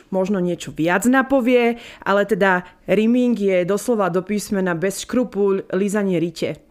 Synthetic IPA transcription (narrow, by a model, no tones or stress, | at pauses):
mɔʒnɔɲɪɛt͡ʃɔʋɪad͡znapɔʋɪɛʔa̰lɛt̪ɛd̪aɾimiŋɡjɛd̪ɔslɔʋad̪ɔpiːsmɛnabɛsʃkɾupuʎlizaɲɪɛɾicɛ̰